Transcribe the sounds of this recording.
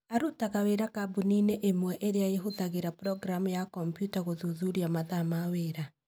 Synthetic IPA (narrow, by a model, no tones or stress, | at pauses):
aɾutaɣaweɾakabunineʔemwɛʔeɾeaeɦoðaɣeɾapɾɔɡɾamujakɔmpjutaɣoðuðuɾiamaðamaweːɾa